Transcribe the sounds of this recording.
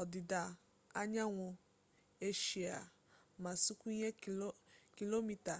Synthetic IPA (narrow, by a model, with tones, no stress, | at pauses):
ɔ˨dɪ˨da˨ | a˦ɲa˦ŋʷʊ˨ | e˦ʃi˨a˨ | ma˨su˦kʷu˦i˦ɲe˦ | ki˦lo˦mi˨ta˨